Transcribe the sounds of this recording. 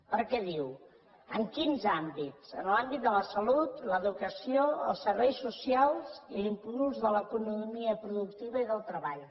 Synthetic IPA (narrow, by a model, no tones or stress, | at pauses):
pəɾkɛðiw | əŋkinzambitt͡sənlambit̪̚d̪ələsəlut̪ləðukəsioə̰lˠsəɾβɛjsːusialˠzilimpluzðələkunumiəpɾuðuk̚t̪iβəiðəlˠt̪ɾəβaʎ